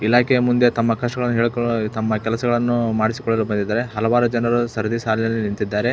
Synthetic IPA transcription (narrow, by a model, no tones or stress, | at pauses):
ilaːkʰɛjɐmund̪et̪ɐmːɐkɐʂɐɡɐɭɐnːuɦeːɭkt̪ɐmːɐkɛlɐsɐɡɐɭɐnːumaːɽisi̥kɔɭːɐlubɐnd̪id̪ːaːɾe̞ɦɐlɐʋaːɾud͡ʒɐnɐɾusɐɾɐd̪isaːlinɐlːinint̪id̪ːaːɾe̞